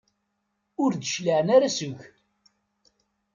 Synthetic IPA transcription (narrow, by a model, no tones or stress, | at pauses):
ʊɾd̪əʃləʕnaɾasʊʝ